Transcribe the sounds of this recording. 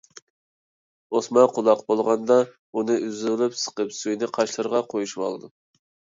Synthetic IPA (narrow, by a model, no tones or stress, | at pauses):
osmɑqʰʊlˠɑqbolˠʁɑnd̪ɑ | unɨʔyzlˠɪpsə̥qəpsujnɪqʰɑʃlˠɨɾʁɑqʰojuʃwɑ̰lˠɨd̪u